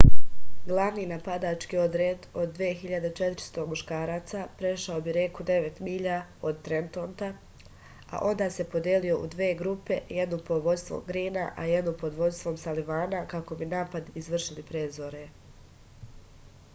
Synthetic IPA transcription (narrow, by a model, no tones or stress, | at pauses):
ɡlˠaʋniːnapad̪aːt͡ʃkio̞d̪ɾed̪o̞d̪̚ːʋeːçiʎad̪et͡ʃet̪ɾi̥st̪o̞muʃkaːɾaːt̪sapɾe̞ʃaobiɾekud̪e̞ʋet̪miʎao̞d̪t̪ɾent̪o̞ːnt̪a | a̰ʔo̞nd̪aːse̞po̞d̪jelio̞ʔṵd̪ʋeːɡɾupe̞jed̪nupoʋo̞d̪st̪ʋo̰mɡɾiːnaʔa̰jed̪nupo̞d̪ʋo̞d̪st̪ʋo̞msaliʋaːnakako̞binaːpad̪izʋr̩ʃilipɾeːzoɾe